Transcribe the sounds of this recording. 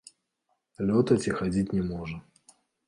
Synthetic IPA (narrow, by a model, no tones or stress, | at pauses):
lʲɔt̪ɐt͡sʲixad͡zʲitʲnʲɛmɔʐɐ